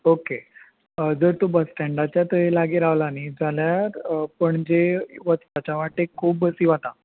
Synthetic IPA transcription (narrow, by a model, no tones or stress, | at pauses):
oke | d͡zəɾt̪obəsʈɛ̃ɳɖat͡ɕjat̪əɦelaɡiːɾaʋlanid͡zaljaɾpəɳd͡ʑeʋət̪t̪at͡ɕaʋaʈekʰːuːpbəsiːʋat̪a